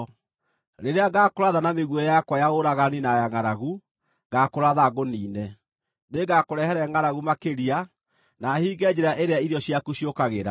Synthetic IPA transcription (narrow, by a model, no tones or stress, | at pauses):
ɾeɾeaɡaːkoɾaðanameɣwɛjakwajaoɾaɣaninajaŋaɾaɣu | ɡakoɾaðaɣoniːnɛ | neɡakoɾɛhɛɾɛŋaɾaɣumakeɾia | nahiːɡɛd͡ʑɛɾaʔeɾeaiɾjɔɕjakuɕiokaɣeɾa